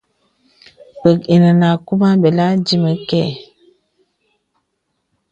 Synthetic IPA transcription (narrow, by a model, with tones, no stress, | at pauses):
pə˨ki˨nə˨na˨ku˦ma˦be˨la˦d͡ʒi˦mə˨kɛ˦˨